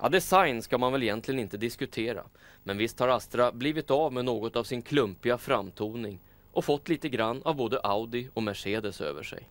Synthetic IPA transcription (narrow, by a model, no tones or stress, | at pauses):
ʔa̰d̪ɛsajnskamanvɛljɛnt̪ʰlɪɡənɪnt̪əd̪ɪskɵt̪ʰeːɾa̰mɛnvɪst̪haɾast̪ɾabliːvɪt̪avmɛnoːɡɔt̪avsɪnkʰlɵmpɪɡafɾamt̪ʰuːnɪŋ | ʔɔfɔt̪ːliːt̪əɡɾanːavboːd̪əʔaʊd̪ɪɔmæʂeːd̪əsø̰ːvə̰ʂɛ̰j